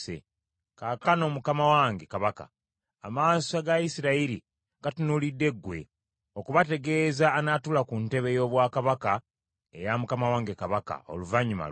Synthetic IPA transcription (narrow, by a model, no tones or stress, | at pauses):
sḛ | kakano̞ːmukamawaːŋɡekaβaka̰ː | maːsaɡajisiɾaiɾi | ɡ̥atunulidːe̞ɡːwe̞̰ | okuβate̞ɡe̞ːzaːnatulakunte̞βe̞jo̞ːβwaːkaβaka | ḛjamukamawaːŋɡe̞kaβaka̰o̞̰luvaɲima̰